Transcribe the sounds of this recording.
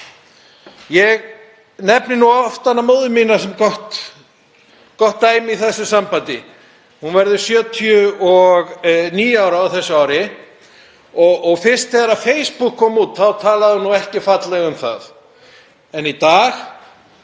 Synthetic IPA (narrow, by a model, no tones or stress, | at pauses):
jɛɣ | nɛpnɪnuɔft̪anːamoːðɪminasɛmkɔht̪ | kɔht̪ːaːjmiθɛsːʏsampant̪ɪ | hunvɛɾðʏ̥sjœːt̪ʰiʏɔɣniːjaːwɾawθɛsːʏaːwɾɪ | ɔːɣfɪr̥st̪ɛɣaɾaðfejspukʰːɔːmut̪θawt̪ʰaːlaðɪhunːuɛhcɪfat̪lɛɣʏmθa̰ð | ɛnit̪aːx